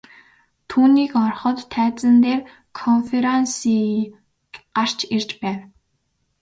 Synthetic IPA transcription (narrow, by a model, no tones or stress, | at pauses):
t̪ʰuːniːkɔrχɞ̆t̪ʰːæːt͡sə̆nt̪eːr | kʰɔnfeɾansiː | ɢar̥t͡ɕir̥t͡ɕpæːw